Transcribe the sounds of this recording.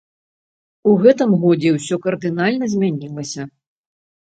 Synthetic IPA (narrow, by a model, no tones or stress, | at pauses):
uɣɛt̪̬ɨmɣɔd͡zʲɛwsʲɔkɐrd̪ɨnalʲnɐzʲmʲanʲilˠɐsʲɐ